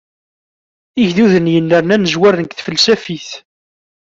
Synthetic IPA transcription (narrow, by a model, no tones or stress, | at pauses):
iʝðuðənjənːəɾnænəzwæɾənkθfəlsæfiθ